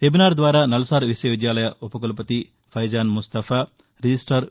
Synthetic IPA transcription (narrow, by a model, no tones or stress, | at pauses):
t̪ebinaːɾd̪ʋaːɾaːnɐlɐsaːɾʋisjɐʋid̪jaːlɐjɐʔupɐkɐlɐpɐt̪i | pʰɐjd͡ʒaːnmust̪ɐfʰaː | ɾid͡ʒisʈɐɾ